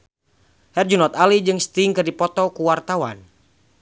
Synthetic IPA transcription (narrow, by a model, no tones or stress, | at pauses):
hɛrd͡ʒunɔt̪alid͡ʒɨŋst̪iŋkɨrdipɔt̪ɔkuwart̪awa̰n